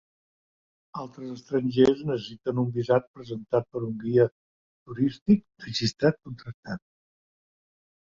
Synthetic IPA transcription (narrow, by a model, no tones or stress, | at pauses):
alˠt̪ɾəzəst̪ɾəɲʲʒeznəsəsit̪ənumbizat͡ʃpɾəzənt̪at̪̚pəɾuŋɡiə | t̪uɾist̪ik̚rəʒist̪ɾat̪̚kunt̪ɾək̚t̪at̪̚